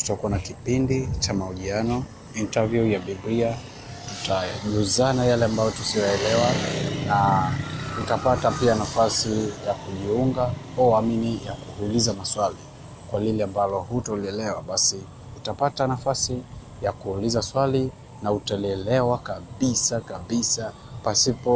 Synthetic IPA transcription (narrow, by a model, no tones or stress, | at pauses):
tu̥takuanakipindit͡ʃamauʄianɔ | intavjujaɓibɾia | tutaʄuzanajalɛambajɔtusijɔɛlɛwana | utapatapianafasijakuʄiuŋɡaaaminijakuhulizamaswali | kwalilɛambalɔhutaliɛlɛwaɓasi | utapatanafasi | jakuulizaswali | nautaliɛlɛwakaɓisakaɓisa | pasipɔ